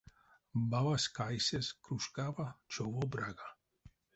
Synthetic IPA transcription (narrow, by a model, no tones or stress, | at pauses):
mavaskʰajsɛskʰɾuʃkʼavat͡ʃʰɔvɔbɾaɡa